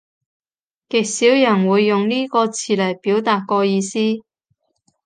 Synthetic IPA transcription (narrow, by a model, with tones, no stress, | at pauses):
kɪ˨k̚siː˨˥wjɐ˨˩nwuː˨˧jːʊ˨ŋniː˥kɔː˧t͡sʰiː˨˩lɐ˨˩jpiː˨˥wt̪aː˨t̚kɔː˧jiː˧siː˥